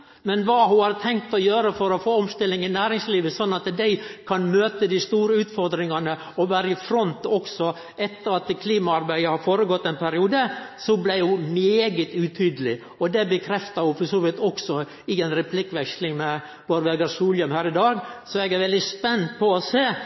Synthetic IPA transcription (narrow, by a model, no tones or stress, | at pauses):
mɛnʋɑɦʊhɑːɾt̪ʰɛŋk̚t̪ɔjøːɾəfɔɾɔfoːɔmst̪ɪlːɪŋɪnæːɾɪŋsliːʋəsɔnːɑt̪d̪æɪkʰɑnmøːt̪əd̪ɪst̪uːɾəʉːt̪fɔɾd̪ɾɪŋɑnə | ɔʋæːɾəɪfɾɔnt̪ɔksɔ | ɛt̪ːəɾɑt̪kʰliːmɑɑɾbæɪəhɑɾfoːɾəɡɔt̪ːɛnpʰæɾɪuːd̪əsɔblæɪhʊmeːɡət̪ʉt̪ʰyːd̪əlɪ | ɔd̪ɛbəkʰɾɛft̪ɑhʊfɔsoːʋɪt̪ɔksɔ | ɪɛnɾɛpʰlɪkːʋɛkslɪŋmɛ | b̥oːɾʋeːɡɑɾsuːljœmhæːɾɪd̪ɑːɡsɔɛɡæɾʋɛld̪ɪspɛnt̪pʰɔɔseː